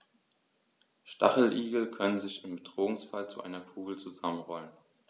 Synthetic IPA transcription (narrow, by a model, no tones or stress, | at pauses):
ʃta̰χl̩ʔiːɡl̩kʰœnənzɪçɪmbədʁoːŋsfalt͡suʔa̰ɪnɐkʰuːɡl̩t͡suzamənʁɔlən